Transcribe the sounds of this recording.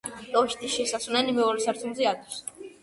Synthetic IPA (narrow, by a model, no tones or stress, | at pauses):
t̪ʼɔʃt̪ʰiʃɛsasunɛnimɛɔɾɛsaɾt̪ʰumziad̪is